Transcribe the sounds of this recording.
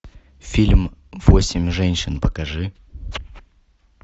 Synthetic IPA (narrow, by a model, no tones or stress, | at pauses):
fʲilʲmvosʲɪmʲʐɛnʲɕɨnpəkɐʐɨ